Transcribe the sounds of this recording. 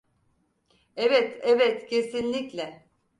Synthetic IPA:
evɛt̪ʰɛvɛt̪cʰe̞sinlʲiclʲɛ

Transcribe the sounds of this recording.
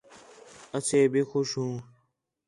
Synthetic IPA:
əseːbixʊʃɦũː

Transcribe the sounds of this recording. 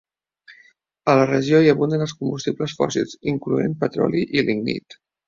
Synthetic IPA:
ələrəʒioiəβund̪ənəlˠskumbust̪ibləsfɔ̰sḭlˠziŋkluḛmpət̪ɾɔ̰liʔiliŋnḭt̪

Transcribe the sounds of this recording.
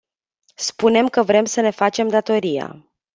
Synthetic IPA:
spune̞mkəvɾe̞msəne̞fat͡ʃe̞md̪at̪o̞ɾija̰

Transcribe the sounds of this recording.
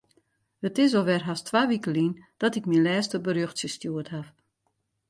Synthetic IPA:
hətɪs̬oʋɛrɦastʋaːʋikəlind̥ɔtɪkminlɛːstəbərjøxtsəstjuətɦaf

